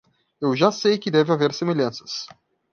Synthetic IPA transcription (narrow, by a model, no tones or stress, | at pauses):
ewʒasejkɪd̪ɛvɪaveɾsemeʎɐ̃sɐ̥s